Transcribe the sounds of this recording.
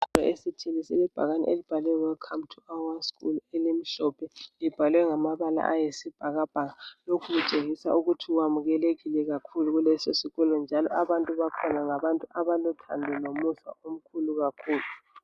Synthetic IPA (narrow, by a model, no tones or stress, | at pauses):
ɔesitʰilisilib̥ʱa̰ɣanḭʔelib̥ʱalwɛwɛkʰamtʰuawaskṵlɛlem̩ɬɔpʰɛlib̥ʱalwɛŋamaβala̰ʔajesib̥ʱaɣab̥ʱaɣalokʰuɣut͡ʃʼeŋisa̰ʔuɣutʰiwamuɣɛleɣilɛɣakʰuluɣulɛsosiɣɔlɔnd͡ʒʱalɔaβantʼuβakʰɔnaŋaβantʼuʔaβalutʰa̰ndʱɛlomusa̰ʔom̩kʰuluɣakʰuːlu